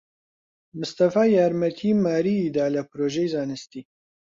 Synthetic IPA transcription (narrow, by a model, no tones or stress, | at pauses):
mʊst̪ɐfaːjaːɾmɛt̪ʰiːmaːɾiːd̪aːlɐpʰɾoːʒejzaːnɨst̪iː